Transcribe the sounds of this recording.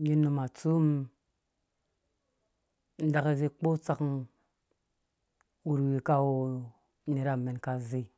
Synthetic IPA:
ji˦nːu˧ma˨t͡su˦m | n̩˦da˨ke˦ze˧k͡po˦t͡sa˦kn | wu˨ɾwi˨ka˦wo˨˦ | ne˨ɾa˨me˨nka˨ze˨

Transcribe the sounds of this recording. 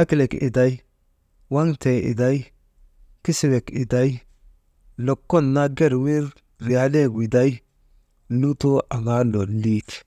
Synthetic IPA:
a˦kle˨kḭ˨da˨j | wa˦ŋte˨ʔḭ˨da˦i˦ | ki˦si˦˨we˨ki˨da˦ji˦ | lo˨kːo˦˨nːa˦ɡe˦ɾwi˦ɾ | ɾi˨ja˨le˦ɡwi˨da˦j | nu˦to˦a˨ɡa˦lo˨li˦t

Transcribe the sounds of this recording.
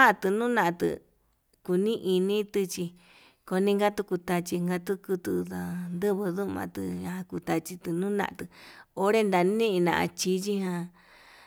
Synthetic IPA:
ã˦˧t̪ɨ˧˨nũ˦nã˧t̪ɨ̰˧ | ku˧nĩ˦ʔi˧nĩ˦t̪ɨ˧t͡ʃi˧ | ko˧nĩ˦ŋɡa˦t̪u˧ku˧t̪a˧t͡ʃi˧ŋɡa˧t̪u˦ku˧t̪u˧ða˧nd̪ɨ˦βɨ˧ðu˦˧mã̰˧t̪ɨ̰̃˧hã˧ku˧t̪a˧t͡ʃi˧t̪ɨ˧nũ˦nã̰˧ʔã˧t̪ɨ˧o˧ɾe˦nd̪a˧nĩ˦ʔnã̰˧a̰˧t͡ʃi˧t͡ʃi˦hã˧

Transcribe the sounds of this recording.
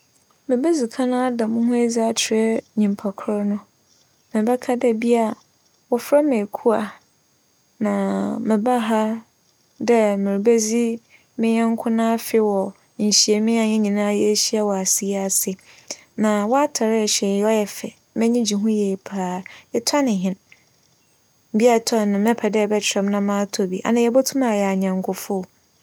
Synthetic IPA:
mɪ̃˨be˦zi˨kʰã˦nã˦da˨mʊ̃˦hʊ̃˦e˦d͡za˦t͡ɕʰɪ˨ɾɛ˦ɲĩ˨m˨pʰa˨kʰɾɔ˦nʊ̃˦ | mɪ̃˨ba˦kʰa˦dɛ˦bi˦a˦˨ | wɔ˨fɾa˦mẽ˨kʰu˦a˨ | nã˨mɪ̃˨ba˦ɦa˦ | dɛ˦mɪ̃˨ɾi˨be˦zi˦ | mɪ̃˦ɲɛ̃˦ŋ˦kʰʊ̃˦nã˦fɪ˦wɔ˨ | ɲ̩˨ɕi˨e˨mɪ̃˦a˨ɲɛ̃˦ɲĩ˨nãː˦jɛ˦ɕi˦a˦wɔ˨a˨si˦a˦a˨sɪ˨ | nã˨wɔ˦a˦tʰa˨ɾɛ˦ɛ˨ɕɛ˨˦ɔ˦jɛ˨fɛ˨ | mɛ̃˦ɲĩ˦d͡ʑi˨ɦũ˦jɛː˨pʰaː˦ɛ˦tʰa˦nɪ̃˨ɦɪ̃˦n˨ | bi˦a˦˨tʰa˦˨nʊ̃˨mɛ̃˦pʰɛ˨dɛ˦˨bɛ˦t͡ɕʰɪ˨ɾɛ̃˦m˦nã˦mãː˦tʰo˨bi˨ʔa̰˨nã˨jɛ˨bɔ˦tʰũ˦mã˨jɛ˨a˨ɲã˨ŋkʰʊ˨fʊ˦˨

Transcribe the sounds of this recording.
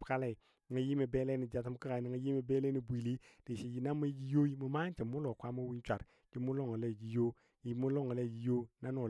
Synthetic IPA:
ka˦le˨ | ŋa˨ji˦me˨be˦le˦ni˨d͡ʒa˨t̬m˦ki˦ka˨ni˨ŋa˨ji˦me˨be˦le˦ni˨bʷi˨li˦d̥i˨ʃi˨d͡ʒi˨na˦ma˦d͡ʒi˦jo˦i˦mu˨ma˦n˦t͡ʃi˨mu˦lo˨kʷa˦mo˦wi˦t͡ʃʷa˨ɾ | d͡ʒi˦mu˦lo˦ŋa˨le˦˨d͡ʒi˨jo˦ | ji˨mu˦lo˦ŋa˨le˦˨d͡ʒi˨jo˦na˦no˨

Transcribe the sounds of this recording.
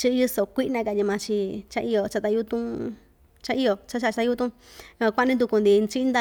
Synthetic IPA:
t͡ʃi˧ju˧so˨kʷi˦ʔnã˧ka˧˨ɲi˧mã˨˧t͡ʃi˧t͡ʃã˧ʔi˧o˨t͡ʃa˧t̪a˧ju˦t̪ũ˦ | t͡ʃã˦˧i˦˧o˨t͡ʃa˧˦ʃ̬a˧˨t͡ʃa˧a˧u˦t̪ũ˦˧ | kʷa˧˦˧nĩ˧d̪u˧ku˧nd̪i˧nt͡ʃi˦nd̪a˦˧

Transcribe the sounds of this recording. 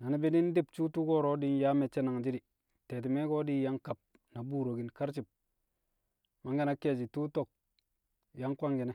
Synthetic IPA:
na˨ni˦bi˦di˦n˦di˦pt͡ʃu˦tu˦ko˦ɾo˦di˦n˦ja˦me˨t͡ʃe˦na˨ŋd͡ʒi˦di˨ | te˨t̬i˨me˦ko˦di˦ja˦ŋka˨p̚ | na˨bu˦˨ɾo˨ɡi˨nka˦ɾt͡ʃi˨p̚ | ma˨ŋɡa˦na˦ke˦˨d͡ʒi˨tu˦to˦˨k̚ | ja˦ŋkʷa˦ŋɡi˨ne˦

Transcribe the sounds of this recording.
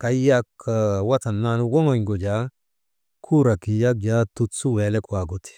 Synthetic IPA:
ka˨jja˦kːa˨wa˦t̪a˨nːa˦nu˦wɔ˦ŋo˨ɲɡo˨d͡ʒa˨˦ | kʰu˦ɾa˨ki˨ja˦k̚d͡ʒa˨˦t̪u˨˦tsu˦wɛ˨lɛ˦ka˨ɡo˨t̪i̥˨

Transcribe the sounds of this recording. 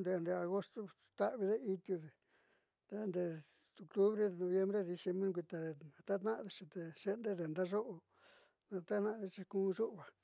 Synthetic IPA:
nd̪e˧˨nd̪e˧a˧ɣo˦st̪o˦ | t̪a˦ʔβi˧ðe˦i˧t̪ju˧ðe˨ | t̪a˦nd̪e˧ | t̪u˧klu˦βɾe˦ðe˧˨nõ˧βje˦mbɾe˦ði˧se˧mbɾõ˦kʷi˧t̪a˧ðe˧nã˨˧t̪a˦t̪nã˦ʔðe˧t͡ʃĩ˧t̪e˧ʃe˦nd̪e˦ðe˧˨nd̪a˦ʐo˦ʔo˧ | nã˧t̪a˦nã˦ʔðe˧t͡ʃi˧kũː˦˧ʒu˦ʔβa˨

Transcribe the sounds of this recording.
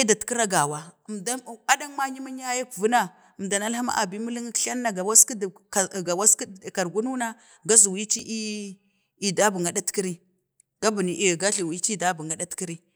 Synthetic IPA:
i˦da˨tki˦ɾa˦ɡa˨wa˨mda˦˨a˦da˦ŋ˦ma˦ɲi˦ma˦ɲ˦a˦ja˦ku˨vu˦na˦ | ə˨mda˨na˦lha˦ma̰˦ʔa̰˨bi˦mu˦li˦ŋ˦ɬa˦nː˦a˦˨ɡa˨wa˦ski˦dɡa˨wa˦skka˨ɾɡu˦nu˦na˦ | ɡa˦zi˨wi˦t͡ʃi˦ʔ | i˨da˦bu˨ŋɡa˨da˦tki˦ɾi˦ | ɡ̥a˦bu˨ni˨ɡa˦ɬi˨wi˦t͡ʃi˦˨da˦bu˨ŋɡa˨da˦tki˦ɾi˦

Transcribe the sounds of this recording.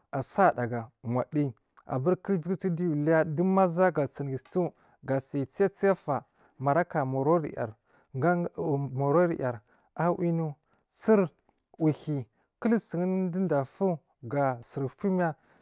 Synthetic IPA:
a˨sa˦˨da˨ɡa˨ŋʷa˨ɗi˦ | a̰˨ba˦ɾkə˦lvi˦kt͡su˦di˦ju˨li˦ja˦di˦ma˦za˦ɡa˨t͡si˨n˨ɡi˨t͡su˦ | ɡa˨sa˨t͡si˦ja˦t͡si˦ja˦fa˨ | ma˨ɾa˦ka˨mo˨ɾo˦ɾḭ˨ja̰˨ɾ | ɡa˦˨mo˨ɾo˦ɾḭ˨ja˨ɾ | a˦wʔi˦nu˦ | t͡si˦ɾ | u˨hi˨ | kə˦lsi˨ŋ˦n˦di˦nda˨fu˦ | ɡa˨si˨ɾfu˦m˦a˦

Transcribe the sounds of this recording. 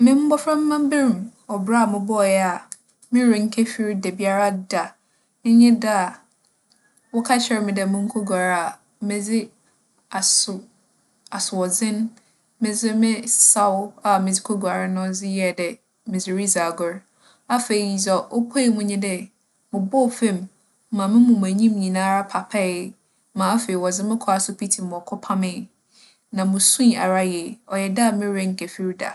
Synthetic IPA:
mɪ̃˦m̩˦bɔ˦fɾã˦m̩˦mã˦m˦bɪ˦ɾĩ˨mɔ˨bɾa˦a˨mɪ̃˨bɔ˦˨jɛ˦a˨ | mɪ̃˦ɾɪ˨ŋ̩˦kʰe˦fi˨ɾi˦dɛ˨bi˦a˦ɾa˦da˨ | ɪ̃˦ɲɪ̃˦da˦a˨ | wɔ˦kʰa˦ɕʰɛ˨ɾmɪ̃˨dɛ˨mʊ̃˦ŋ̩˦kʰo˦ɡa˨ɾa˨ | mɪ̃˨d͡zɪ˦ | a˨sʊ˨ | a˨sʊ˨ɔ˨d͡zɪ̃˦n˦ | mɪ̃˨d͡zɪ˦mɪ̃˦sa˦wa˨mɪ̃˨d͡zɪ˦kʰo˦ɡu˨a˨ɾɪ˦nʊ̃˦d͡zɪ˦jɛ˦˨dɛ˨ | mɪ̃˨d͡zɪ˨ɾi˦za˨ɡʊ˦ɾ | a˦fe˨i˨i˨i˨zɔ˨ʔo˦pʰo˦i˨mʊ̃˦ɲĩ˦dɛ˦ | mʊ̃˨bɔ˦˨fẽ˦˨mː˦ | ã˨mɪ̃˦mʊ̃˨m̃˨æ˨ɲĩ˦mɲĩ˨nãː˦ɾa˦pʰa˨pʰɛ˦˨˦ | mã˨a˦fe˨i˨wɔ˨d͡zɪ˦mɪ̃˦kʰɔ˦a˨sʊ˦pʰi˦tʰi˨mʊ̃˨ɔ˨kʰɔ˦pʰa˦mɪ̃˦˨ | nã˨mʊ̃˨sũ˦i˨a̰˨ɾa˦jɛ˨ɔ˨jɛ˨da˦˨mɪ̃˦ɾɛ̃˦ŋ̩˨kʰɛ˨fi˦ɾda̰˨

